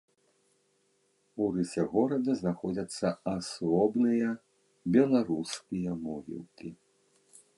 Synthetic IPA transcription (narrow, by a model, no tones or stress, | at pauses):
urɨsʲɛɣɔɾɐd̪ɐznaxɔd͡zʲɐt̪sːɐasɔbnɨjɐ | bʲɛlˠaɾuskʲijɐmɔɣʲḭlˠkʲi